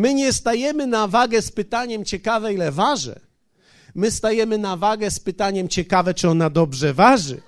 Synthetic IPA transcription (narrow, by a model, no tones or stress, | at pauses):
mɘɲɛst̪ajɛmɘnavaɡɛspɘt̪aɲɛmt͡ɕɛkavɛilɛvaʐɛ̰ | mɘst̪ajɛmɘnavaɡɛspɘt̪aɲɛmt͡ɕɛkavɛt͡ʂɨɔnad̪ɔbʐɛvaʐɘ̰